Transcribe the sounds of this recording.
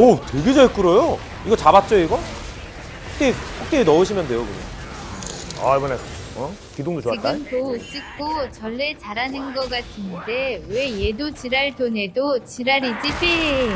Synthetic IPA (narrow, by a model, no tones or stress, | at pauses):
otwe̞ɡed͡ʑʌɭk͈ɯɾojo | iɡʌt͡ɕabat̚t͡ɕ͈ʌiɡʌ | hok͈̚eɸʰok̚k͈einʌɯɕ̬ʰimjʌndwe̞jokuɲa̰ | a̰bʌnaʌ | kidoŋdot͡ɕoat͈aŋtos͈ik̚k͈ot͡ɕʌɭːet͡ɕaɾanɯnɡʌk͈atʰɯnde̞we̞jedot͡ɕiɾaɭtone̞dot͡ɕiɾaɾid͡ʑipi